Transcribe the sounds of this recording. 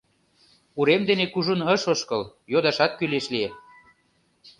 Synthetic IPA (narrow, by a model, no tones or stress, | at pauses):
uɾemd̪enekuʒunəʃoʃkɤljod̪ɑʃɑt̪̚kyleʃlie